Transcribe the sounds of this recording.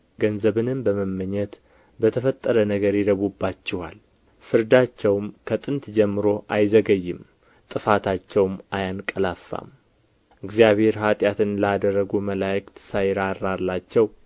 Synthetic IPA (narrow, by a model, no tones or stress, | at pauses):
ɡənzəβɨnɨmbəməmːəɲːɛt̪ | bət̪ʰəfət̪ʼːəɾənəɡəɾjɪd̪əβubːat͡ʃːɛwa̰l | fɨɾd̪at͡ʃːɛwmkʰət̪ʼɨnt̪d͡ʒɛmːɨɾo̞ʔajzəɡəjːɪm | t̪ʼɨfat̪ʰat͡ʃːɛwmajankʼəlafːa̰m | ɨɡzijaβhe̞ɾhat̪ʼjat̪ʰɨnlad̪ərːəɡuməlajɪkʼt̪ʰɨ̥sajɾaɾːalːat͡ʃːɛw